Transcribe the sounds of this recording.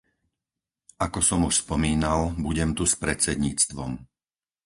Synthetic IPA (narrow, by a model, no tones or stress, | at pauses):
ʔakɔsɔmuʃspɔmiːnalbuɟɛmt̪uspɾɛt͡sɛd̪ɲiːt͡st̪ʋɔm